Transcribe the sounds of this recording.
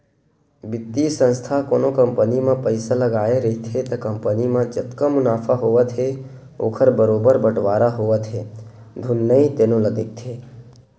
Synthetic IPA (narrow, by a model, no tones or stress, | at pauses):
bɪt̪ːisə̃nst̪ʰakoːnokəmpənimãpəɪsaləɡaːeɾəɦit̪ʰet̪əkəmpənimãd͡ʒət̪kamʊnaːpʰaɦoːʋət̪ʰɦe | o̰ːkʰəɾbəɾoːbəɾbəʈʋaːɾaɦoʋət̪ɦe | d̪ʱʊnːəĩt̪eːnũləɡ̪ek̚t̪ʰeː